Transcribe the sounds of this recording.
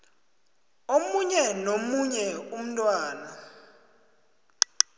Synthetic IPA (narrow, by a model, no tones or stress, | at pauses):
omuɲɛnomuɲɛum̩tʼwaːna